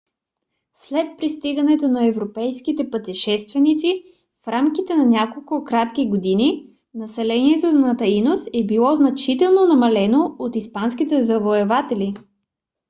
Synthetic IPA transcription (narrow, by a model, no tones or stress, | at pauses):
slɛt̪̚pɾist̪iɡənɛt̪onɐɛvɾopɛjskit̪ɛpɐt̪iʃɛst̪vɛnit̪si | fɾamkit̪ɛnɐnʲakolˠkʊkɾat̪kʲiɡod̪ini | nɐsɛlɛniɛt̪onɐt̪ɐinosɛbilˠɔznɐt͡ʃit̪ɛlˠnonɐmɐlɛnoot̪ispansk̟it̪ɛzɐvoɛvat̪ɛli